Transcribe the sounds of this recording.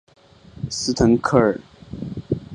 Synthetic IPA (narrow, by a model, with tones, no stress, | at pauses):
sɹ̩˥t̪ʰə˧˥ŋkʰɤ˥˩ə˨˩